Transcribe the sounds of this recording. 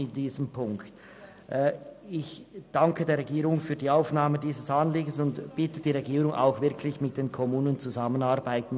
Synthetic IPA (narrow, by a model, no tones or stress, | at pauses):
ɪndiːzəmpʰʊŋkt | ʔɪçd̥aŋkədeːɐʁeɡiːʁʊŋfyːɐdiːaʊfnaːmədiːzəsanliːɡn̩sʊntb̥ɪtəd̥iːʁeɡiːʁʊŋʔa̰ʊxvɪɐkʰlɪçmɪt̚d̥eːnkʰɔmuːnənt͡suzamənaʁbaɪtn̩